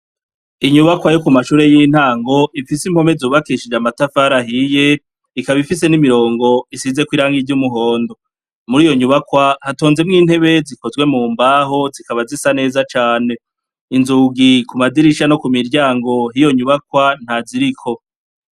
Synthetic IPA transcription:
iɲuβakwajokumaʃuːɾe̞jiːn̥haːŋɡo̞ifisim̥ho̞me̞zuːβakiʃid͡ʒamatafaɾaɦije̞ | ikaβifis̬e̞nimiɾo̞ːŋɡo̞isize̞kwiːɾaːŋɡiɟumuɦo̞ːndo̞ | muɾiːjo̞ɲuβakwahato̞ːnze̞mŋiːn̥he̞βe̞ziko̞zɡwe̞muːmbaːɦozikaβazisane̞ːzat͡ʃaːne̞ | inzuːɡikumad͡ziɾiʃano̞kumiɾɟaːŋɡo̞ɦijo̞ɲuβakwan̥haziɾikʰo̞

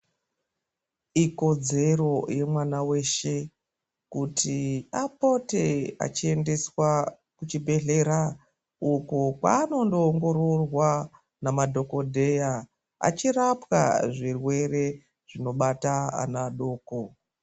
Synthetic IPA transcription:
iko̞d͡ze̞ro̞je̞mwanawe̞ːʃe̞ | kutʰiapo̞te̞a̰t͡ʃie̞nde̞swa | kut͡ʃibʱe̞ɮe̞ɾa | ukokwa̰ːno̞ndo̞ːŋɡo̞ro̞rwa | namadʱo̞ko̞dʱe̞ja | a̰t͡ʃirapka̰ʐirwe̞re̞ | ʐ̥ino̞ɓataa̰naɗo̞ːko

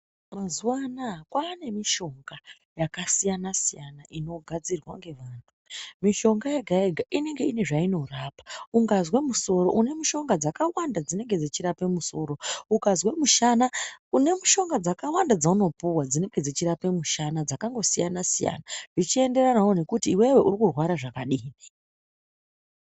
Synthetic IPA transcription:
mazuwanakwaːne̞miʃo̞ŋɡa | jakasijanasijanaʔino̞ɡʱad͡zirɣwaŋɡe̞ʋaːntʰumiʃo̞ŋɡajaɡʱaeɡʱaʔine̞ŋɡe̞ine̞ʐaino̞raːpḁuŋɡazwe̞muso̞ro̞̰ʔune̞muʃo̞ŋɡad͡zakawandad͡zine̞ŋɡe̞d͡zit͡ʃiɾape̞muso̞ːɾo̞ukazwe̞muʃanaune̞muʃo̞ŋɡad͡zakawandad͡zauno̞puwad͡zine̞ŋɡe̞d͡zit͡ʃiɾape̞muʃanad͡zakaŋɡo̞sijanasija̰naʐit͡ʃie̞nde̞ranawone̞kutiːwe̞we̞ʔurikurwaɾaʐakaɗini̥

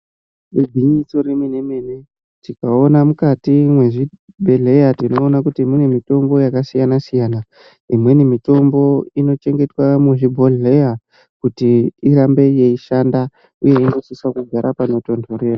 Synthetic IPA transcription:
ebʱiɲiso̞ɾeminemene | tikaonamukatimwe̞ʐi | bʱe̞ɮe̞jatino̞ːnakutimenemito̞mbo̞jakasijanasijaːna | imwe̞nimito̞mbo̞ino̞t͡ʃe̞ŋɡe̞twamuʐibʱoɮeja | kutiirambe̞je̞iʃanda | uje̞ino̞siswakuɡʱaɾʔapano̞to̞ndʱoɾe̞ra

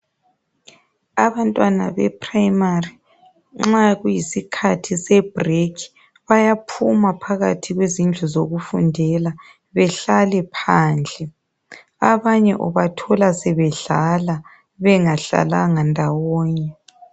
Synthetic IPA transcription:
aβantʼwana̰βɛ̰pʰrajmari | ŋ͡ǁaɣujisikʰatʰisɛb̥rekʰi̥ | βajapʰumapʰaɣa̰tʰiɣwezind͡ɮʱuzoɣufundʱɛla | βɛɬalɛpʰaːnd͡ɮʱɛ | aβaɲɛʔɔβatʰɔlasɛβɛɮala | βɛŋaɬa̰laŋandʱawɔːɲɛ

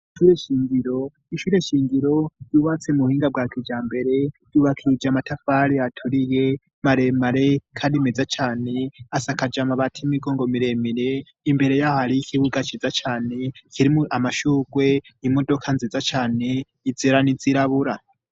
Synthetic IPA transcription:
iʃuɾe̞ʃiːŋɡiɾo̞ | iʃuɾe̞ʃiːŋɡiɾo̞juβat͡se̞muhiːŋɡabɡaːkʰid͡ʒaːmbe̞ɾe̞juβakʰiɾid͡ʒamatafaɾiatʰuɾije̞ | maɾe̞maɾe̞kʰaːndimed͡zat͡ʃaːneasakad͡ʒamaβatʰimiɡoːŋɡo̞miɾe̞miɾe̞ | imbe̞ɾe̞jahaɾikʰiβuɡat͡ʃizat͡ʃaːne̞kʰiɾimuʔamaʃuːɡwe̞imo̞do̞kʰanzizat͡ʃaːne̞ | id͡ziɾanid͡ziɾaβuɾa

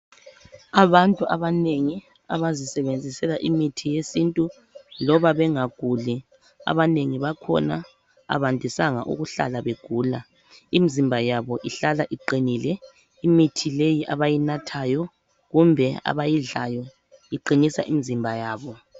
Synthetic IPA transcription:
aβantʼuaβaneŋi | a̰βazisɛβend͡zʱisɛlaʔimitʰijesintʼu | lɔβaβɛŋaɡ̥ʱuli | a̰βaneŋiβakʰɔ̰na | a̰βandʱisaŋa̰ʔṵɣuɬa̰laβeɡ̥ʱuːla | imizimbʱajaβɔʔiɬalaʔiǃinilɛ | imitʰilejiʔaβajinatʰaːjɔ | ɣumbʱɛa̰βajiɮajɔ | iǃinisa̰ʔimizimbʱajaːβɔ

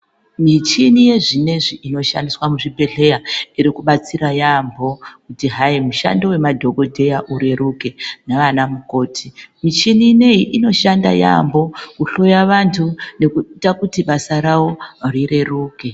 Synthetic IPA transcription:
mit͡ʃinije̞ʐineʐiʔino̞ʃa̰ndiswamuʐibʱe̞ɬe̞jaiɾikuɓat͡sirajambo̞kutiɦaimuʃa̰ndowe̞madʱo̞ɡo̞dʱe̞jaʔuɾe̞ɾuke̞naʋanamuko̞ːtʰimit͡ʃinine̞iʔino̞ʃanda̰ja̰mbo̞kuɬo̞jaʋantʰune̞kuitakutiɓasaɾawo̞rire̞ruːke̞

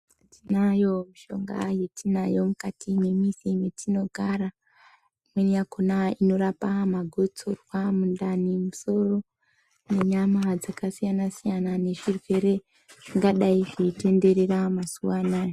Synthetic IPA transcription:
tinajo̞miʃo̞̰ŋɡa̰je̞tʰinajo̞mukatime̞misime̞tʰino̞ɡʱaɾa | mwenijakʰonaino̞ɾapamaɡʱot͡sorwamundanimuso̞ro̞ | ne̞ɲamad͡zakasijanasijanane̞ʐirwe̞ɾe̞ | iŋɡaɗaiʐete̞nde̞ɾe̞ramasuwanaːjo

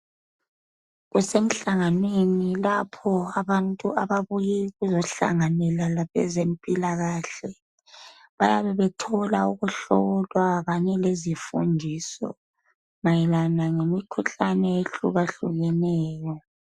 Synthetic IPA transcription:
ɣusem̩ɬaŋanwenilapʰɔaβantʼuaβaβujiɣuzɔɬa̰ŋanɛlalaβɛ̰zempʼilaɣaːɬɛ | βajaβɛβɛtʰɔlauɣuɬɔ̰ɣɔlwaɣaɲɛlezifṵndʱisɔ̰ | majilanaŋemikʰuɬanɛeɬṵɣaɬuɣɛnɛːjɔ

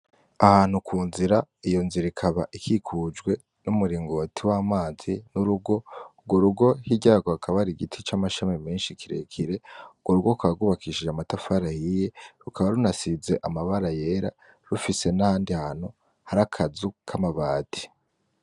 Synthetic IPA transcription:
ahaːn̥hukʰuːnziɾaijo̞nziɾikʰaβaʔikʰikʰud͡ʒɡwe̞ | numuɾiːŋɡo̞tʰiwaːmaːzinuɾuɡo̞ːɡwo̞ɾuɡo̞hiɟaːɡohakʰaβaɾiɡitʰit͡ʃamaʃamimeːnʃikʰiɾe̞̰kʰiɾe̞uɡwo̞ɾuɡokaaɡuβakʰiʃiamatafaɾahije̞ɾukʰaβaɾunasize̞ʔamaβaɾaje̞ːɾa̰ | ɾufise̞nahaːndihan̥u | haɾakʰazukʰamaβaːtʰi̥

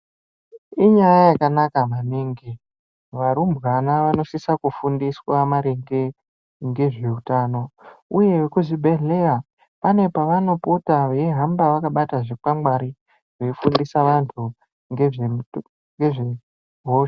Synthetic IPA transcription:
iɲajajakanakamaniŋɡi | ʋaɾumbɣanaʋano̞sisakufundiswamaɾeŋɡe | ŋɡe̞ʐe̞utaːno̞uje̞ʋekuzibʱe̞ɮe̞ra | pane̞paʋano̞putaʋeeɦambaʋakaɓataʐik͡pamaɾi | ʐe̞fundisaʋantʰu | ŋɡee | ŋɡeʐe | ɦo

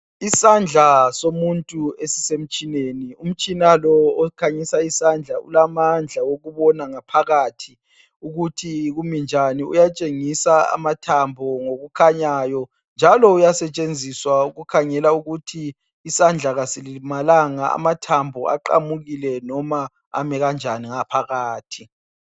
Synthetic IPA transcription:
isand͡ɮʱasomuntʼuesisem̩t͡ʃʼinenium̩t͡ʃʼinalɔːkʰaɲisaisand͡ɮʱaṵlamand͡ɮʱawoɣuβɔnaŋapʰaɣatʰi | uɣutʰiɣumind͡ʒʱaniṵjat͡ʃʼeŋisaa̰matʰambʱɔŋoɣukʰaɲajɔ | nd͡ʒʱalɔujasɛt͡ʃʼend͡zʱiswauɣukʰaŋɛlauɣutʰiː | sand͡ɮʱaɣasilimalaŋaa̰matʰambʱɔa̰ǃa̰muɣilɛnɔma | a̰mɛɣand͡ʒʱaniŋapʰaɣaːtʰi

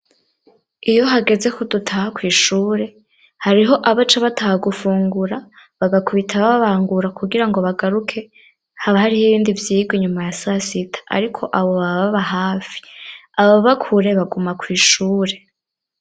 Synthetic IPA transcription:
ijo̞ɦaɡe̞ze̞kudutʰahakwiːʃuːɾe̞ | haɾiɦo̞ʔaβat͡ʃaβatʰahaɡufuːŋɡuɾaβaɡakuβitʰaβaβaβaːŋɡuɾakuɡiɾaŋɡo̞βaɡaɾukʰe̞ | haβahaɾihiβiːndivjiːɡwiɲumajasasitʰḁʔa̰ɾikʰo̞ʔaβo̞βaβaβaɦaːfi̥aβoβaβakʰuɾe̞βaɡumakwiːʃuːɾe̞

